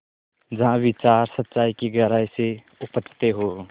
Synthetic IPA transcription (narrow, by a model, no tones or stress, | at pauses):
d͡ʒɐɦãʋɪt͡ʃaːɾsətːʃaːikiɡɐɾaːjse | ʊpət͡ʃʰːt̪eɦoː